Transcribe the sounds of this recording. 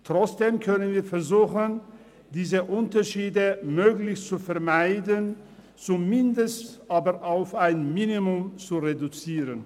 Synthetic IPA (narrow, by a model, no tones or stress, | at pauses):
tʁ̥ɔt͡sd̥eːmkʰœnənviːɐfɛɐzuːxən | d̥iːzəʔʊntɐʃiːdəmøːklɪçt͡sufɛɐmaɪdən | t͡sumɪndəstʔaːbɐʁʔaʊfaɪnminimʊmt͡suʁedut͡siːʁən